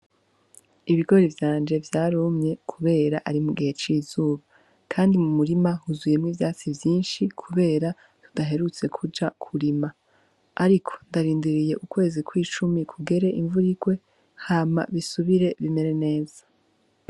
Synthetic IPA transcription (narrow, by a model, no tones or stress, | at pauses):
iβiɡo̞ɾivjaːnd͡ʒe̞vjaːɾumɲe̞kʰuβe̞ːɾaʔaɾimuɡihe̞t͡ʃiːzuːβa | kʰaːndimumuɾimahuzuje̞mŋiːvjaːt͡sivjiːnʃikʰuβe̞ːɾa | tu̥daɦe̞ɾut͡se̞kʰud͡ʒakʰuɾima | aɾikʰo̥ndaɾiːndiɾije̞ʔukwe̞ːzikwiːt͡ʃumikʰuɡe̞ɾe̞ʔiɱvuɾiɡ̥we̞ | haːma̰βisuβiɾe̞βime̞ɾe̞ne̞ːz̥ḁ